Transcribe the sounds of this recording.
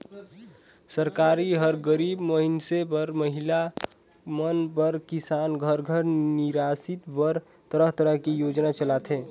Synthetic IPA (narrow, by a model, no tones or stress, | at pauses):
səɾkaːɾiɦəɾɡəɾiːbməɦinsepəɾməɦila | mənpəɾkisaːnɡʱəɾɡʱəɾniɾasit̪bəɾ | t̪əɾəɦt̪əɾəɦkijoːd͡ʒnat͡ʃəlat̪ʰɦeː